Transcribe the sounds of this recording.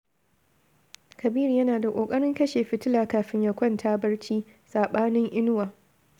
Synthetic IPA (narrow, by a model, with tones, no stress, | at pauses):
kɐ˨biː˦ɾi˨jɐ˦naː˨da˨kʷʼoː˨kʼɐ˦ɽɪ˦ŋkɐ˦ʃeː˨ɸɪ˨tɪ˦laː˨kaː˨ɸɪ˦ɲjɐ˨kʷɔ˦ntʰaː˦bɐ˦ɽt͡ʃiː˦ | saː˨ɓaː˦nɪ˦ŋʔɪ˦nʊ˦waː˨